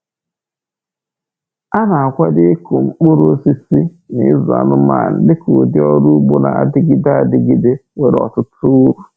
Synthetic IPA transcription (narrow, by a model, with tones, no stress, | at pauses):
a˦na˨a˨kʷa˦dɪ˦ko˨ŋ͡m̩˨k͡pʊ˦ɾo˦si˦si˦ | nɪ˦zu˨a̰˨nʊ˦ma̰˨n̩˨lɪ˦kʊ˨dɪ˦ɔ˦ɾu˦ɡ͡bo˦na̰˨a̰˨dɪ˦ɡɪ˦da˨dɪ˦ɡɪ˦de˦we˨ɾɔ̰˨tʊ˦tu˦ɾu˨